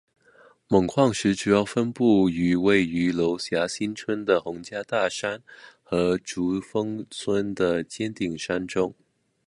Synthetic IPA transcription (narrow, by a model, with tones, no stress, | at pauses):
mə˨˩ŋkʰwɑ˥˩ŋʂɻ̩˧˥ʈ͡ʂu˨˩jɑ˥˩ʊfə˥npu˥˩y˧˥we˥˩ɪy˧˥lo˧˥ʊɕja˧˥ɕi˥nt͡sʰwə˥nd̪ə˨xʊ˧˥ŋt͡ɕja˥t̪a˥˩ʂa˥nxɤ˧˥ʈ͡ʂu˧˥fɤ˥ŋt͡sʰwə˥nd̪ə˨t͡ɕjɛ˥nt̪i˥˩ŋʂa˥nʈ͡ʂʊ˥ŋ